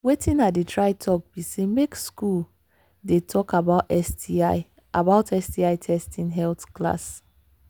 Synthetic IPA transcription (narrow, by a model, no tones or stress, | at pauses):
wetʰĩnadetɹaɪtʰɔk̚b̥isemekskul | detʰɔkabaʊtɛstiaɪ | ʔabaʊtɛstiaɪtʰɛstʰĩnɦɛltkla̰s